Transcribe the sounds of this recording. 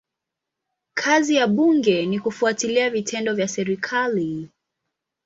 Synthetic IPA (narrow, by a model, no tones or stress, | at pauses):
kʰazijaɓuŋɡɛnikufuatiliavitʰɛndɔvjasɛɾikʰali